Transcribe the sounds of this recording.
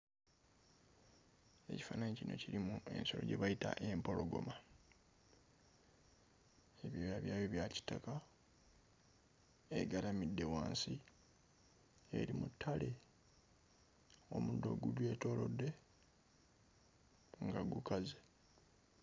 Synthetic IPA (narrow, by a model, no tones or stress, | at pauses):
e̞̰ci̥faːnaɲecinʔo̞̰ciɾimue̞̰nso̞̰lo̞̰ɟe̞βajita̰ʔe̞mpo̞lo̞ɡo̞̰ma | eβjojaβjaːjeβjaci̥taka | eɡalamidːe̞waːnsi | e̞̰ɾimutʰːale | o̞mudo̞̰ɡuɟwe̞to̞ːlo̞dːe̞ | ŋɡaɡukaze